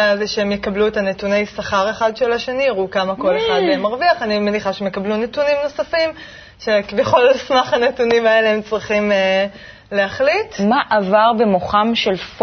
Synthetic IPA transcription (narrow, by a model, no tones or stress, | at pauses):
alzeʃeemjekabluetanetune̞jsaχaʁe̞χad̪ʃelaʃe̞niaʁukamako̞leχad̪meemaʁviaχanimeniχaʃeemjekablunetunimno̞safim | ʃe̞kivjeχo̞lsmaχanetunimae̞leemt͡sʁiχime | leaχlitmaʔavaʁbemoχamʃelf